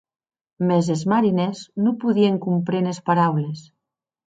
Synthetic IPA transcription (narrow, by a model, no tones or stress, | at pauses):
mezezmaɾineznupuðieŋkumpɾenespaɾawles